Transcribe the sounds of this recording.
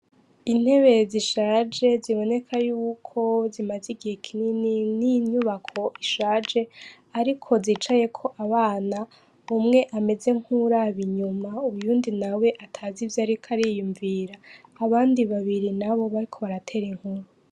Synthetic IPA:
in̥he̞βe̞ziʃaːd͡ʒe̞ziβo̞ne̞kʰajuːkʰo̞zimaziɡihekʰinininiɲuβakʰo̞ʔiʃaːd͡ʒe̞ | aɾikʰo̞zit͡ʃaje̞kʰo̞ʔaβaːna | umŋe̞ʔame̞ze̞ŋ̥huɾaβiɲumauβjuːndinawe̞ʔatʰazivjaɾikʰaɾijuɱviɾaːβaːndiβaβiɾinaβo̞βaɾikʰo̞βaɾatʰe̞ːɾiŋ̥huɾu

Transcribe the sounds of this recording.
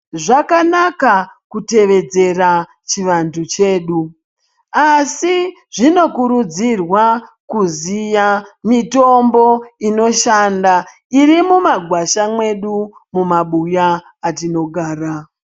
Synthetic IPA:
ʐakanakakute̞ʋe̞d͡ze̞ra | t͡ʃiʋantʰut͡ʃe̞ːɗu | asi | ʐino̞kuɾud͡zirwa | kuzijamito̞mbo̞ino̞ʃanda | irimumaɡʱwaʃamwe̞ɗu | mumaɓujaː | tino̞ɡʱaːra

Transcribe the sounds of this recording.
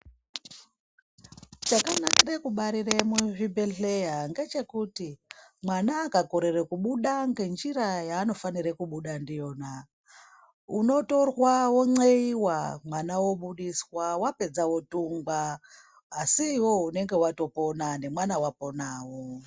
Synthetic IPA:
t͡ʃakanakirekuɓaɾiremuvibeɮejaŋɡe̞t͡ʃe̞kutimwanaːkako̞ɾe̞rekuɓuɗaŋɡe̞nd͡ʒiɾajaːno̞fanirekuɓuɗandijo̞ːna | uno̞to̞rwawo̞ŋ͡ǀeiwamwanawo̞ɓuɗiswawape̞d͡zawo̞tuŋɡaː | siːwo̞une̞ŋɡe̞wato̞po̞nane̞mwanawapo̞naːwo

